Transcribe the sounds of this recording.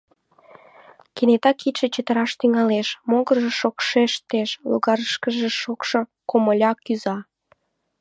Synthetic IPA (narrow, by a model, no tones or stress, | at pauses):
kenet̪ɑkːit̪ʃet͡ɕət̪əɾɑʃt̪yŋɑleʃmoɣəʒeʃokʃeʃt̪eʃlo̰ɣɑɾəʃkəʒĕʃokʃo | koməlʲɑkyzɑ